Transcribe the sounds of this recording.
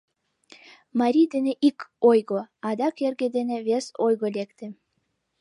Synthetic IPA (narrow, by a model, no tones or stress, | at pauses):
mɑɾʲijd̪eneʔikojɣoɑd̪ɑkerɡed̪eneβesojɣolekt̪ĕ